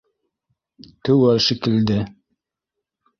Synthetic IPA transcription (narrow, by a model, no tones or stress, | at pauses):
t̪ɵwælʃikɘ̆ld̪ɘ